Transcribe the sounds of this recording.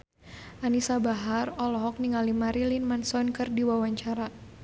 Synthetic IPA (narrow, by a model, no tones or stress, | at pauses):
ʔanisabaɦarɔlɔɦɔk̚niŋalimaɾilinmansɔnkərdiwawaɲt͡ʃaɾa